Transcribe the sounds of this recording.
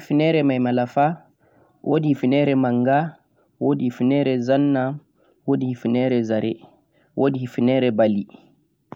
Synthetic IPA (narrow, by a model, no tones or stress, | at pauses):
finɛɾɛmajmalafa | wʔodihifinɛɾɛmaŋɡa | wodihifinɛɾɛzanːa | woːdihifinɛɾɛzaɾɛ | wʔodihifinɛɾɛbali